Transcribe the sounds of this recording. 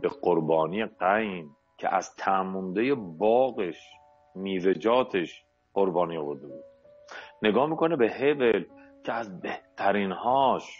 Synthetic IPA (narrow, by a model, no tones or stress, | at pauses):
b̥e̞ɢoɾbɒːniːjeɢæjn | cʲʰḛʔæ̰z̥t̪ʰæmund̪ejebɒːɣeʃ | miːved͡ʒɒːt̪ʰeʃ | qo̞ɾbɒːniːovoɾd̪ebuːd̪̥̚ | neɡɒːmiːkʰonebehevelcʰeæzbeht̪ʰæɾiːnhɒːʃ